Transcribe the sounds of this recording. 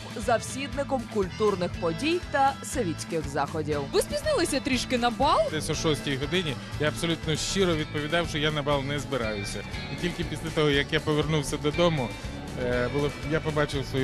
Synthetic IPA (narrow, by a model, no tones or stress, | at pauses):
zɐwsʲid̪nɪkɔmkʊlʲt̪urnɪxpɔdʲijt̪ɐsɔʋʲit͡sʲkɪxzɑxɔdʲiwʋɪspʲiznɪlˠɪsʲɐt̪ɾʲiʃkɪnɐbɑlˠd̪ɛsʲɔʃɔsʲtʲijɦɔd̪ɪnʲi | jaɐbsɔlʲut̪nɔʃt͡ʃɪɾɔʋʲid̪̚pɔʋʲid̪ɑwʃt͡ʃɔjanɐbɑlˠnɛzbɪɾɑjʊsʲɐitʲilʲkɪpʲi̥sʲlʲɛt̪ɔɦɔjɐkjapɔʋernuwsʲɐd̪ɔd̪ɔmʊ | bʊlˠɔjapɔbɑt͡ʃɪwsʋɔj